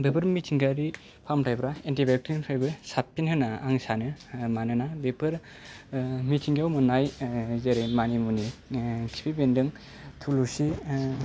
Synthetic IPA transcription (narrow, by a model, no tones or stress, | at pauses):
bepɯɾmitʰiŋɡaɾi | pʰamtʰajbɾaentibek̚tɾinpʰajbɯsapːinhɯnaaŋsanɯmanɯnabepʰɯɾ | mitʰiŋɡiawmɯnajzeɾemanimunikʰi̥pʰibendɯŋ | tʰulusi